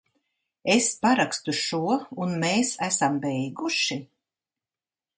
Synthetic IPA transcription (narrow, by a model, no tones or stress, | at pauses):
espaɾakst̪uʃuɔunmeːsæsambɛjɡuʃi